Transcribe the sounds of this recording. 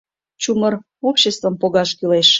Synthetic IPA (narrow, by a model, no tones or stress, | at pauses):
t͡ɕumər | opɕest̪vəmpoɣɑʃkyleʃ